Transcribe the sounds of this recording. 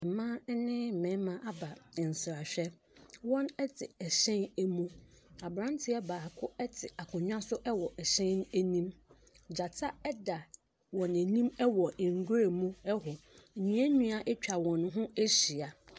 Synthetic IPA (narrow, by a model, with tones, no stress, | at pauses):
ɛ˨mãː˦nɪ̃˦m̩˨mɛ̃˨˦mã˦ʔa˦ba˨n̩˨sɪ˨ɾa˨ɕᶣɛ˦ | wɔ̃˦nɛ˦tʰɪ˨ɛ˨ɕɛ̃˦nɛ˦mũ˦a˨bɾã˦n˦tʰɪ˦ɛ˦baː˨a˨kʰʊ˦ɛ˦tʰɪ˨a˨kʰʊ̃˨ɲᶣã˦sʊ˦ʔɛ˦wɔ˨ʔɛ˨ɕɛ̃˦n˦æ˦nĩ˦m | d͡ʑa˨tʰa˦ɛ˦da˨ | wɔ̃˨næ˨nĩ˦mɛ˦wɔ˨ŋ̩˨ɡʊ˦ɾe˨mũ˦ɛ˦ɦɔ˨ɲĩ˦ɛ˦ɲũ˦a˦ʔɛ˦t͡ɕᶣa˨wɔ̃˨n˦ɦʊ̃˦æ˦ɕi˨a˨